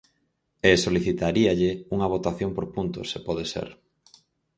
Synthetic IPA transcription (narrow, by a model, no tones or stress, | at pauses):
esoliθit̪aɾiaʎeuŋɐβ̞ot̪aθjompoɾpunt̪o̰sepɔðesḛɾ